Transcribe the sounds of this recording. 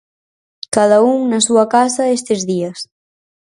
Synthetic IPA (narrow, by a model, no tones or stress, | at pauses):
kaðauŋnasuakasaest̪ezðias